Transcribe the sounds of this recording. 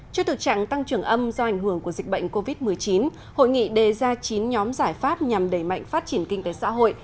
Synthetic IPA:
t͡ɕɔ˧t̪ʰɨ˨˩k̚t͡ɕa̰ː˧˨ŋt̪a˧ŋt͡ɕɨ˨˧˩əŋʔə˧mzɔ˧ʔa˨˩jŋ̟ɦɨ˧˩əŋku˧˩əzi˨˩k̟̚ɓə̰˧˨ŋ̟ko˧vi˦˥t̚mɨ˨˩əjt͡ɕi˨˦n | ho̰˧˨jŋḭ˧˨ɗe˨˩zaː˧t͡ɕi˨˦nɲɔ˨˦mzaː˧˩jfaː˦˥p̚ɲa˨˩mɗə˧˩jma̰˧˨jŋ̟faː˦˥t̚t͡ɕi˧˩ənkï˧ŋ̟t̪e˨˦sa̰ː˧˥ɦo̰˧˨jʔ

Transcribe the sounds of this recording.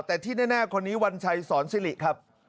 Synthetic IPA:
t̪ɛː˨˩t̪ʰiː˥˩nɛː˥˩naː˥˩kʰo˧nːiː˦˥wa˧nt͡ɕʰa˧jsɔː˩˦nsi˧˥li˨˩ʔkʰa˦˥p̚

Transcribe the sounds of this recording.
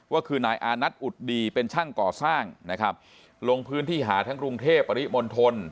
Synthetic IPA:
waː˥˩kʰɯː˧naː˨˩jʔaː˧na˦˥t̪̚ʔu˨˩t̪̚diː˧pe˧nt͡ɕʰa˥˩ŋkɔː˨˩saː˥˩ŋna˦˥kʰa˦˥p̚ | lo˧ŋpʰɯː˦˥nt̪ʰiː˥˩ɦaː˩˦t̪ʰaː˦˥ŋkɾu˧ŋt̪ʰeː˥˩pːa˧ɾi˦˥mo˧nt̪ʰo˧n

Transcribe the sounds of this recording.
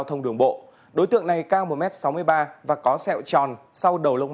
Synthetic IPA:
wt̪ʰə˧wŋ͡mɗɨ˨˩əŋɓo̰˧˨ | ɗo˨˦t̪ɨ̰˧˨əŋna˨˩jkaː˧ŋmo˨˩mɛ˦˥t̚sa˨˦wmɨ˧əjɓaː˧vaː˨˩kɔ˨˦sɛ̰˧˨wt͡ɕɔ˨˩nsa˧wɗə˨˩wlə˧wŋ͡m

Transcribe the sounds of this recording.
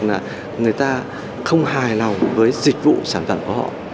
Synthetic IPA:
laː˨˩ | ŋɨ˨˩əjt̪aː˧ | xə˧wŋ͡mhaː˨˩jlɔ˨˩wŋ͡mvəː˨˦jzï˨˩k̟̚vṵ˧˨saː˧˩nfaː˧˩nku˧˩əhɔ̰˧˨ʔ

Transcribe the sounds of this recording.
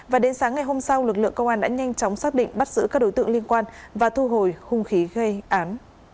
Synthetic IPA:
vaː˨˩ɗe˨˦nsaː˨˦ŋːa˨˩jɦo˧msa˧wlɨ˨˩k̚lɨ̰˧˨əŋkə˧wŋ͡mʔaː˧nɗa̰ː˧˥ɲa˧jŋ̟t͡ɕɔ˨˦wŋ͡msaː˦˥k̚ɗḭ˧˨ŋ̟ɓə˦˥t̚zɨ̰˧˥kaː˦˥k̚ɗo˨˦jt̪ɨ̰˧ə˨ŋli˧ənkwaː˧nvaː˨˩t̪ʰu˧ɦo˨˩jxʊ˧˩ŋ͡mxi˨˦ɣə˧jʔaː˨˦n

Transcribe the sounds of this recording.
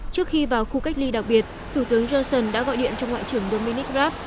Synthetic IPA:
t͡ɕɨ˦˥ək̚xi˧vaː˨˩wxu˧ka˦˥jk̟̚li˧ɗa˨˩k̚ɓi˨˩ət̚t̪ʰu˧˩t̪ɨ˨˦əŋzɔ˧sə˨˩nɗa̰ː˧˥ɣɔ̰˧˨jɗḭ˧˨ənt͡ɕɔ˧wŋ͡mŋwa̰ː˧˨t͡ɕɨ˧˩əŋɗo˧mi˧ni˦˥k̚zaː˦˥p̚

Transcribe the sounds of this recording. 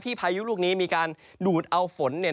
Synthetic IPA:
t̪ʰiː˥˩pʰaː˧ju˦˥luː˥˩k̚niː˦˥miː˧kaː˧n | duː˨˩t̪̚ʔa˧wfo˩˦nːe˨˩˦

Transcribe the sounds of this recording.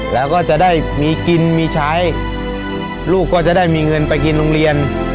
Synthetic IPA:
lɛː˦˥wkɔː˥˩t͡ɕa˨˩ʔdaː˥˩jmiː˧ki˧nmiː˧t͡ɕʰaː˦˥j | luː˥˩kːɔː˥˩t͡ɕa˨˩ʔdaː˥˩jmiː˧ŋɤ˧npa˧jk̬i˧nlo˧ŋɾi˧ən

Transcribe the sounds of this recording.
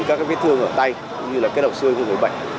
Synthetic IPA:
kaː˦˥kaː˦fi˦˥t̪ʰɨ˧əŋʔəː˧˩t̪a˧j | kʊ̰˨˧˦ŋ͡mɲɨ˧laː˨˩kaː˨˦˥la˨˩k͡p̚sɨ˧əjku˧ŋə˨˦jɓə̰˧˨ŋ

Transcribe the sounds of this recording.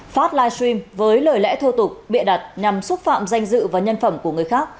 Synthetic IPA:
faː˦˥t̚laː˧jsɹi˧mvəː˨˦jləː˨˩jlɛ̰˧˥t̪ʰo˧t̪ʊ˨˩k͡p̚ɓḭ˧˨nɗa˨˩t̚ɲa˨˩msʊ˦˥t̚fa̰ː˧˨mza˧jŋ̟zɨ̰˧˨vaː˨˩ɲə˧nfə˧˩mku˧˩əŋɨ˨˩əjxaː˦˥k̚

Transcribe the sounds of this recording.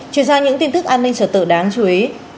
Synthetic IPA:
t͡ɕwi˧˩ənzaː˧ɲɨ̰˧˥ŋt̪i˧nt̪ɨ˦˥k̚ʔaː˧nːï˧ŋ̟t͡ɕəː˧˩t̪ɨ̰˧˨ɗaː˨˦ŋt͡ɕu˨˦ʔi˨˦

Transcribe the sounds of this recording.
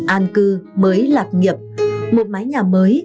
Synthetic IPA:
ʔaː˧nkɨ˧məː˨˦jlaː˨˩t̚ɲə˨˩p̚mo˨˩t̚maː˨˦jɲaː˨˩məː˨˦j

